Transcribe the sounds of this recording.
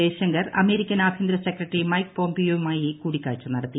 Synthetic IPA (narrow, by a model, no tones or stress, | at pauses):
eːɕɐŋɡɐrɐ̰me̞ːɾikʲːɐnaːbʱind̪ɾɐsekrɐʈːrimɐjkpo̞ːmpijomaːjikuːɽikʲːaːɻt͡ɕːunɐɽɐt̪ːi